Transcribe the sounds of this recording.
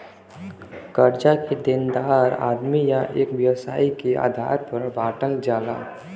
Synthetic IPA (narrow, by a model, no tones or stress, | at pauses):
kəɾd͡ʒaked̪ɪnd̪aːɾa̰ːd̪mijaʔḛːkʋjɐʋsa̰ːikea̰ːd̪ʱa̰ːɾpəɾbaːʈəld͡ʒaːla̰